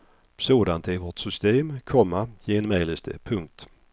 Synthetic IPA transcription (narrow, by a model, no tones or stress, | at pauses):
soːd̪ant̪ʰɪlvoːʈ̪sʏst̪eːmkʰɔmːajeːnmɛjlɪst̪ʰə̰pʰɵŋk̚t̪